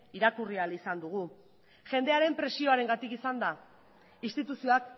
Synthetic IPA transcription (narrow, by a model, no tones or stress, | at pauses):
iɾakurialisand̪uɣ̞u | ʝe̞nd̪e̞aɾe̞mpɾe̞sio̞aɾe̞ŋɡat̪ikisand̪a | inst̪it̪usio̞ak